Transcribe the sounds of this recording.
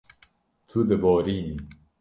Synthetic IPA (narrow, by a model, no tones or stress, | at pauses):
t̪ʰud̪əbɔːɾiːni